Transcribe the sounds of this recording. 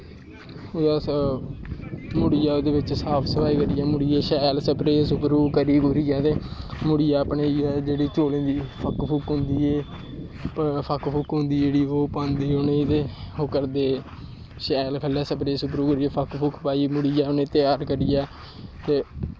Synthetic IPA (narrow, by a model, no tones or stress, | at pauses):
ʊd̪aː | mʊɽɪjaːoːd̪eːʋɪt͡ʃsaːpʰsəpʰaːiːkəɾɪjaːmʊɽɪːeːʃɛːlsəpɾeːsʊpɾuːkəɾiːkoɾijaːt̪eːmʊɽɪjaːəpɳeːd͡ʒeːɽiːt͡ʃoːlẽːd̪iːpʰəkpʰʊkɦʊ̃nd̪iːeː | əpʰəkpʰʊkɦʊ̃nd̪iːd͡ʒeːɽiːoːpãːnd̪iːoneːt̪eːokəɾd̪eː | ʃɛːlkʰəlːaːsəpɾeːsʊpɾuːkəɾiːaːpʰəkpʰʊkʰpaːiːmʊɽɪjaːʊnẽːt̪ɪjaːɾkəɾɪjaː | t̪eː